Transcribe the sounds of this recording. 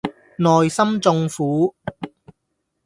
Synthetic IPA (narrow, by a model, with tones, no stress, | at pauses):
nɔː˨jsɐ˥mt͡sʊ˧ŋfuː˨˥